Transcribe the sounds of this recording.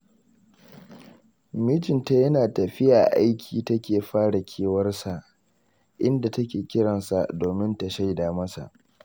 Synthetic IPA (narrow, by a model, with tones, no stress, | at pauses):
miː˦tɪ˨nta˦jɐ˦naː˨tɐ˨ɸɪ˦ja˨ʔa˦jkʲʰiː˨tɐ˦kʲeː˨ɸaː˦ɽa˨kʲʰeː˦wɐ˦rsa˨ʔ | ʔɪ˦nda˨tɐ˦kʲeː˨kʲɪ˦ɽɐ˨nsa˨doː˨mɪ˦nta˨ʃa˦jdaː˨mɐ˦sa̰˨ʔ